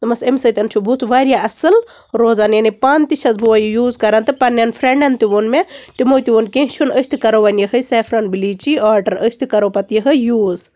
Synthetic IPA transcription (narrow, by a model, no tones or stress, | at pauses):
t̪ɨmɐsemsɐt̪ʲɐnt͡ʃʰubut̪ʰʋaːɾjaːɐsɨl | ɾoːzaːnjɐnipaːnt̪iʃɐzbuʋɐjujuːzkɐɾant̪ɨpɐnʲːɐnfʰɾeɳɖɐnt̪iʋonmet̪imojt̪iʋonkẽɦt͡ʃʰunəsʲt̪ʰikɐɾoʋɐnjɐɦəseːfʰɾɐnbiliːt͡ʃiaːɖɐɾəsʲt̪ʰikɐɾopɐt̪jɐɦɐjuːz